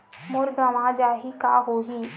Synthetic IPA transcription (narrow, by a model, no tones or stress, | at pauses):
mʊɾɡəmad͡ʒaːɦika̰ɦoːɦi